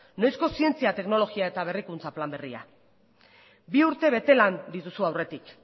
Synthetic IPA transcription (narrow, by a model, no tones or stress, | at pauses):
najsko̞sie̞nt͡siat̪e̞kno̞lo̞ɣiae̞t̪aβ̞e̞rikunt͡saplambe̞ria̰ | biuɾt̪e̞β̞e̞t̪e̞land̪it̪usuawre̞t̪ik